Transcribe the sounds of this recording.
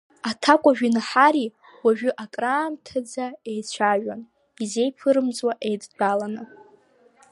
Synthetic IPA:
atʰakʷʼaʒᶣinaħaɾi | waʒᶣʊʔakʼraːmtʰad͡zae̞jt͡ɕʷʰaʒᶣan | ize̞jpʰɨɾɨmt͡sʼwaʔe̞jdbalanɨ

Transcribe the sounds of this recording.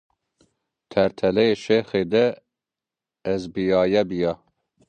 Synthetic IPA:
t̪ʰɛɾt̪ʰɛlɛjeʃexed̪ɛ | zbijɑːjɛbijɑ

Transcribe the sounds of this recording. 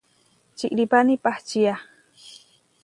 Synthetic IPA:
t͡ʃiʔɾipanipaht͡ʃija

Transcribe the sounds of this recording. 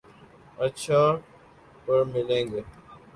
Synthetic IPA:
ətːt͡ʃʰaː | pəɾmɪlẽːŋɡe

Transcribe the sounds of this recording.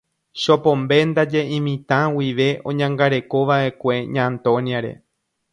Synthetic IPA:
ʃopõ̞mbe̞nd̪ad͡ʒe̞ʔĩmĩt̪ãwiʋe̞ʔõ̞̰ɲãŋɡaɾe̞ko̞ʋaʔe̞kʷe̞ɲãnt̪õnjaɾe̞̰

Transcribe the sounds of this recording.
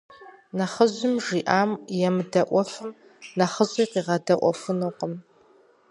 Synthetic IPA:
nɐχəʑʷʊmʒiːʔaːmjɛmɨdɐʔʷɔfɨm | nɐχəʑʼiːqiːʁɐdɐʔʷɔ̰fɨnoːqəm

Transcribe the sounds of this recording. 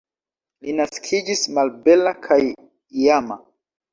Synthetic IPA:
linaskʰid͡ʒismalbe̞lakʰaj | iama

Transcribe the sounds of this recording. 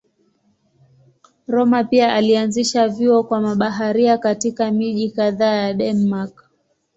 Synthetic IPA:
ɾɔmapiaʔalianziʃaviɔkwamaɓaɦaɾiakatikamiʄikaðaːjaɗɛnmak

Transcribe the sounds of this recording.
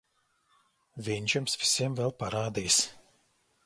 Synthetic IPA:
vʲinʲt͡ʃumsvʲi̥sʲiɛmvʲɛlˠpaɾaːd̪iːs

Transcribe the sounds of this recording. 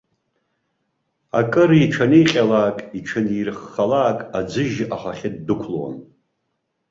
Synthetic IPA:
a̰kʼɨɾiʈ͡ʂʷʰanijqʲʼalaːkʼiʈ͡ʂʰanirχːalaːkʼad͡zɨʒʔaχaχʲɪdːɨkʷʰlowa̰n

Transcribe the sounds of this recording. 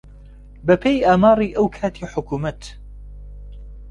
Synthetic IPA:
bɐpʰejʔaːmaːriːʔɐwkʰaːt̪ʰiħʊkuːmɐt̪

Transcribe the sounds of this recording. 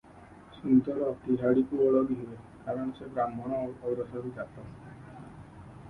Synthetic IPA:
sunt̪ɔɾɔt̪iɦaɽikuɔɭɔbiɦue | kaɾɔñɔsebɾamɔɽ̃ɔːɡɾɔsaɾid͡ʒat̪ɔ

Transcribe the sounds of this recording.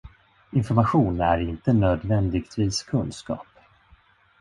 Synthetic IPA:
ɪnfɔɾmaɧuːnæ̰ɾɪnt̪ənøːd̪vɛnd̪ɪɡt̪ʰviːskʰɵnskɑ̰ːp

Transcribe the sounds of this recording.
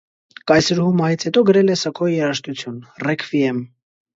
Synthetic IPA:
kɑjsəɾhumɑjit͡sʰhɛt̪ɔɡəɾɛlɛsɑkʰɔijɛɾɑʃt̪ut͡sʰjunrɛkʰviɛm

